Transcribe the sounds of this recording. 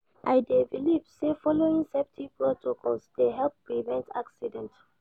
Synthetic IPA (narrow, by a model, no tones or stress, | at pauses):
ʔaɪdɛvilipsefɔloĩŋsɛptʰipɹɔtʰokʰɔlsdeɦɛlˠp̚pːɹivɛ̃ntʰaksidɛ̃nt